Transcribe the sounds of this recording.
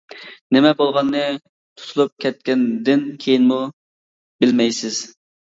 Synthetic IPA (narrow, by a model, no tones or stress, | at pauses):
nɪmɛbolˠʁɑnːɨ | t̪ʰu̥t̪ʰulˠup̚kʲʰɛt̪̚kʲɛnd̪ɪnkʲʰejinmu | bɪlmɛjsɪz̥